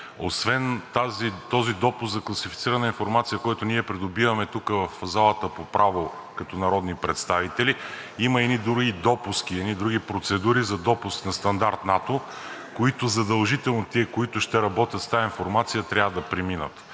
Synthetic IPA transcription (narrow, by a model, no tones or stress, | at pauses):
o̰svɛnt̪azit̪ɔzid̪ɔpʊsɡ̪zɐklˠɐsifi̥t̪siɾɐnəinfoɾmat̪sijəkɔjt̪ʊniɛpɾid̪obivɐmɛt̪ukəvɐfzalˠət̪əpopɾʔavo | kɐt̪ɔnɐɾɔd̪nipɾɛt̪st̪avit̪ɛli | iməɛnid̪ɾuɡid̪ɔpusk̟iɛd̪nid̪ɾuɡipɾot̪sɛd̪uɾizɐd̪ɔpʊsknɐst̪ɐnd̪aɾt̪nat̪o | koit̪ʊzɐd̪ɐlˠʒit̪ɛlˠnot̪iɛkoit̪ʊʃt̪ɛɾɐbɔt̪ʲət̪st̪ainfoɾmat̪sijət̪ɾʲavəd̪ɐpɾɛminə̰t̪